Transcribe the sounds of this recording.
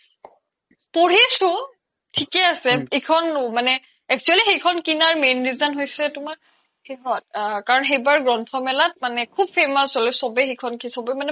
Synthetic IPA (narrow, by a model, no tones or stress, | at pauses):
poɹisʊ̃ | tʰikɛasɛekʰɔnmanɛ | ɛk̚t͡ʃualixejkʰɔnkinaɹmenɹizanɦojsɛtʊmaɹ | xeɦɔt̚kaɹɔnxejbaɹɡɹɔntʰɔmɛlat̚manɛkʰub̚pʰemasɔlɛsɔbɛxekʰɔnkisɔbɛmanɛ